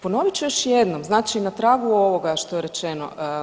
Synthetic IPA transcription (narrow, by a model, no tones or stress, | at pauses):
pono̞ʋit͡ɕujoʃjed̪nomznaːt͡ʃinat̪ɾaːɡuo̞ʋo̞ɡaʃt̪ojeɾe̞t͡ʃeno̰